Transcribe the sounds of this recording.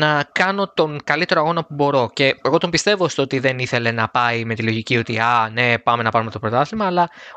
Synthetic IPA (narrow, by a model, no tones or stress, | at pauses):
nɐkɐno̞t̪o̞ŋkɐlit̪e̞ɾoɐɣo̞nɐpubo̞ɾo̞ce̞eɣo̞t̪o̞mbist̪e̞vo̞st̪oo̞t̪iðe̞niθe̞le̞nɐpɐime̞t̪ilo̞ʝicio̞t̪iɐne̞pɐme̞nɐpɐɾume̞t̪o̞pɾo̞t̪ɐθimɐːlɐ